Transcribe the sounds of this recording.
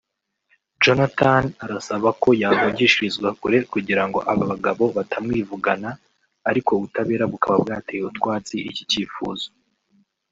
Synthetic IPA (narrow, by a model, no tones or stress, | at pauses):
d͡ʒo̞natanaɾasaβako̞jaːvaɟiʃiizɡwakuɾe̞kuɟiɾaŋɡo̞̰ʔaβaβaɡaβo̞βatʰamŋiːvuɡanaː | ɾiko̞βutaβe̞ːɾaɡukaβabɡaːtejeutkwaːt͡siʔḭci̥ciːfṵːzo̥